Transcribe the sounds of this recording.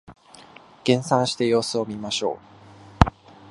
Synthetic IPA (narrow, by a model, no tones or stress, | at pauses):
ɡ̥ẽ̞ɰ̃sãɰ̃ɕi̥t̪e̞jo̞ːsɨo̞mʲimaɕo̞̰ː